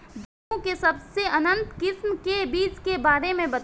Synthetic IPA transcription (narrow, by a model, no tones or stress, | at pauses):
d͡ʒ | ũkesɐbseʔɐnə̃nt̪kɪsmkebiːt͡ʃkebaːɾemẽbɐt̪